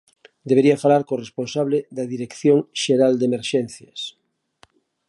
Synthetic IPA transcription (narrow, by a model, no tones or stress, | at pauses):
d̪eβ̞eɾiafalaɾkoresponsaβleðaðiɾekθjõŋʃeɾald̪emeɾʃen̟θjas